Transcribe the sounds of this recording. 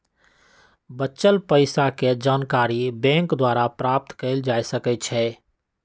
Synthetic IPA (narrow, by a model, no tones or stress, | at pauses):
bətːt͡ʃəlpəɪsaked͡ʒaːnkaːɾibɛ̃ːŋkd̪waːɾapɾaːp̚t̪keɪld͡ʒaːjsəkət͡ʃʰɛː